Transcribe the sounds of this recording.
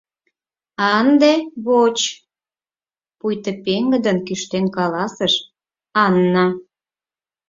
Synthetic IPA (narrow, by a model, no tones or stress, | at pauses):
ɑnd̪eβot͡ɕ | pujt̪əpeŋɡə̆d̪ənkyʃt̪enkɑlɑsəʃ | ɑnːɑ